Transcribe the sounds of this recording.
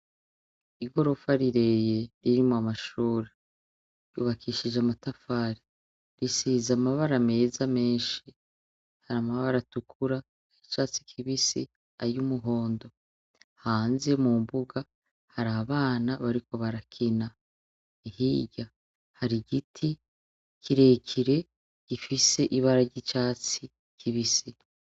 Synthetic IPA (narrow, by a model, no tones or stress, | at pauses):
iɡo̞ɾo̞faɾiɾe̞jeɾiɾimoamaʃuːɾe | jṵːβakʰiʃid͡ʒeamatafaːɾi | ɾisizamaβaɾame̞ːzame̞ːnʃi | haɾamaβaɾatukʰuɾa | hit͡ʃaːt͡si̥kʰiβisi | ajumuɦo̞ːndo̞ | haːnze̞mumbuɡa | haɾaβaːnaβaɾiko̞βaɾakʰina | ihiːɟa | haɾiɡitʰi | kiɾekʰiɾe̞ | ɟ̥ifise̞ʔiβaɾaɾɟit͡ʃaːt͡si | kʰiβisi